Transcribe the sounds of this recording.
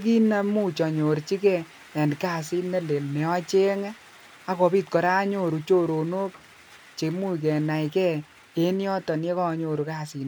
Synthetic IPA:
ki˦na˧mu˦t͡ʃɔ˨ɲo˨ɾt͡ʃi˦kɛ˦˨ | a˨ndka˦˨si˦ne˦le˨lnɛ˨ɔ˦t͡ʃe˦ŋa˦ | a˦kɔ˨piː˦t̚kɔ˨ɾa˦ɲo˦ɾu˨t͡ʃo˦ɾo˨no˦k̚ | t͡ʃe˨mu˦k̬ɛ˨na˨ikɛ˦ | e˦njɔ˦tɔ˨n˦e˦kɔ˦˧ɲo˨ɾu˨ka˦si˨n˦

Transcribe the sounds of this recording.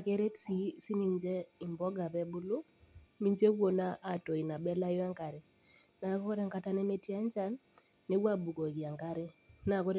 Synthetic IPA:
a˨ke˦ɾe˦tsi˦si˦mi˨ɲd͡ʒɛ˦i˨mbɔ˦ɡa˨βɛ˦bu˦lu˦ | mi˦ɲd͡ʒe˦wo˨na˦ʔa˨to˨i˨na˨ɓɛ˦la˦jɔ˦a˦ŋka˨ɾɛ˨ | na˨kɔ˦kɔ˦ɾa˦ŋka˦ta˦nɛ˦me˦ti˦a˦ɲd͡ʒa˦nː | e˦wa˦ɓu˨kɔ˨ɣi˨a˨ŋka˦ɾe˦na˨kɔ˦ɾ

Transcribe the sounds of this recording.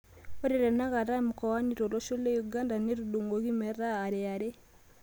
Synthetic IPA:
o˦ɾe˨ɾɛ˨na˦ɣa˨ɾa˦mu˨kɔ˨wa˦ni˨ɾo˨ɾɔ˦ʃo˦le˦ju˨ɡa˦nda˨ne˦ɾu˨du˨ŋɡoɣi˦mɛ˨ɾaː˦˨ɾɛ˨a˨ɾe˦

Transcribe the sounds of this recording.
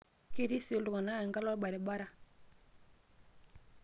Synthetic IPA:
ki˦˨ɾi˦si˨o˦ldu˨ka˨na˦ɛ˨ŋɡa˦lɔ˦ɓa˨ɾɛ˨ɓa˦ɾa˦

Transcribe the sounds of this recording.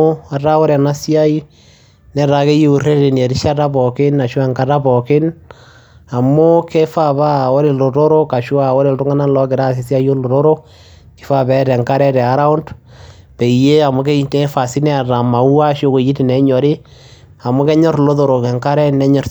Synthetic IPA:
a˨ɾa˦o˦ɾɛ˨na˦sja˦i˦ | nɛ˦ɾa˨ke˦je˦u˨re˦ɾe˨n˨e˨ɾi˦ʃa˦ta˦bɔ˨kɪ˦na˨ʃwɔ˦ɛ˨ŋka˦ta˦bɔ˨kɪ˦n | a˨mo˦ke˦fa˦βa˦o˦ɾe˨lo˨ɾo˦ɾo˦ka˨ʃwa˨o˦ɾe˨ltu˦ŋa˦na˦lɔ˦kɪ˨ɾa˦s̬e˨sja˦ji˦o˦lo˨ɾo˦ɾo˦ | kɪ̥˨˦fa˦bɛ˦ɾɛ˨ŋka˦ɾɛ˦ɾɛ˨a˦ɾa˦u˦nd | pe˨i˨je˦a˨mo˦ke˦te˦fa˨si˦nɛ˦a˨ɾa˨ma˨u˦a˦ʃjo˦ko˨ji˦ti˨nɛ˨˦ɲɔ˨ɾɪ˦ | a˨mo˦kɛ˦ɲɔ˦rlo˦ðo˨ɾo˨kɛ˨ŋka˦ɾɛ˦nɛ˦ɲɔ˨r

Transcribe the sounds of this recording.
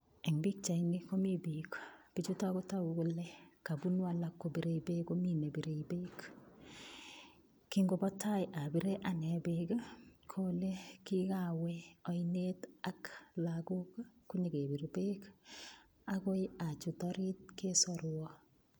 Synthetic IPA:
e˨ŋbi˦k̚t͡ʃa˨ini˦ko˦mibikb̥i˦t͡ʃu˦ta˦ko˦ta˦˨ɡo˦lɛ˦ka˨bunwa˨lakːo˨bi˨ɾe˨ibe˦ko˦mi˦ne˨bi˨ɾe˨ibek | kiŋɡobɔ˦ta˦jʔa˨bi˦ɾeʔa˨nɛ˨beɡa˦kʰolekikaweɔ˦ineta˦klaɡʊ˦kkʊ˦ɲiɡe˨bi˨ɾbe˦k | a˦ko˦ja˨t͡ʃu˨tɔɾit̚ke˦sɔɾwɔ

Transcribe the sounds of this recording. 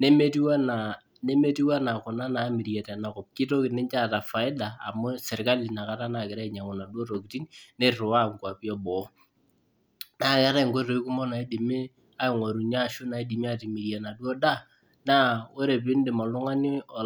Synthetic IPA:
ne˦me˦ti˦wa˦na˨ | ne˦me˦ti˦wa˦na˨kʊ˨na˦na˨˦mi˨ɾje˨tɛ˨na˨kɔ˨p̚kɪ˦to˦kɪ˨nɪ˦nt͡ʃa˦˨ta˨fa˨ɪ˦da̰ː˨mʊ˦sɛ˨ɾka˦li˨na˨ka˦ta˦na˨kɪ˨ɾa˦ɪ˨ɲa˨ŋʊ˨na˨dwɔ˦ro˨ki˨ti˦nne˦rrʊ˨wa˦˨ŋ˨kwa˨pi˦ɔ˦bɔ˨˦ | na˨˦˨kɛ˦ɾa˦˨ŋko˦ro˨˦i˦ku˦mɔ˦na˨i˦di˨mɪ˦ | a˦ɪ˨ŋwa˨ɾu˨ɲa˦˨ʃʊ˦na˨i˦di˨mi˦a˦ti˨mi˨ɾja˨na˨dwɔ˦da˦ | na˦o˦ɾe˨p̬ɪ˦n˦dɪ˨mɔ˨lʊ˦ŋa˦nɪ˦ɔ˨

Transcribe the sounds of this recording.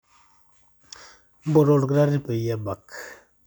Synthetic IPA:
bo˨ɾo˨ɾɡɾa˦ɾi˦pe˨ja˦ba˨k

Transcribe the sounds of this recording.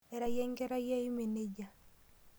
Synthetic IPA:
ɛ˨ɾa˨jɛ˦ŋɡɛ˦ɾa˦jɛ˦ɪ˦me˨ne˦d͡ʒa˨

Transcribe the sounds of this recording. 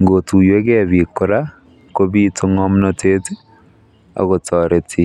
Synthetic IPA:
ŋɡotu˨jwe˦ɣe˦βi˨ko˨ɾa˦ | ko˦βi˦tʰo˦ŋɔ˦mnɔtʰe˦te˦ | a̰˨ɣo˨tʰɔ˨ɾe˨tʰi˦

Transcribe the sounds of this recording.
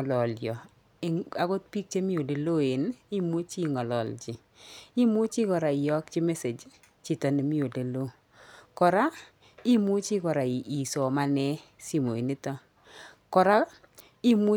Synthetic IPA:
lɔ˨ljɔ˨ | a˨ɡo˦t̚pi˦k̚t͡ʃe˦mi˦o˨de˨lo˦e˨ni˦mu˦t͡ʃi˦ŋɔ˨lɔ̰˨ld͡ʒɪ˨ | i˦mʊ˦t͡ʃi˦kɔ˨ɾa˨ɪ˨jɔ˦kt͡ʃi˦me˦se˨d͡ʒ | t͡ʃi˦˨tɔ˨ne˨mi˦o˨de˨lo˦ | kɔ˨ɾa˦ | i˦mu˦t͡ʃi˦kɔ˨ɾa˨i˨ʔi˨so˨ma˦nɛ˦si˦mo˨i˨ni˦tɔ˦ | kɔ˨ɾa˦ | i˦mu˦

